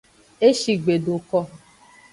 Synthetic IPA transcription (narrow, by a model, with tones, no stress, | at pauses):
e˦ʃi˨ɡ͡be˨do˨kɔ˦